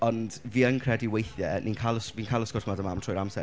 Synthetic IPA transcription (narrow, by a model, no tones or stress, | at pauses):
ɔnd̥viːənkʰr̥ɛdiwejθjɛnʔinkʰalˠəsvinkʰalˠəskɔtʰmadəmamtʰrɔjɾamsɛr